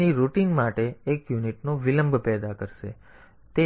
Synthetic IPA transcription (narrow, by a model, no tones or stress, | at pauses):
iɾuʈiŋɡmaʈeːkjuniʈnoʋiləmbʱpɛd̪akəɾʃḛ | t̪e